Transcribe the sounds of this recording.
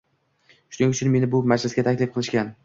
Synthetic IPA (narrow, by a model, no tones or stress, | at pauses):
ʃʊnɪŋʲʊt͡ʃʰɪnme̞nɪbʊmad͡ʒlɪsɡʲat̪ʰakʲlɪfqʰɨlˠɪʃkʲan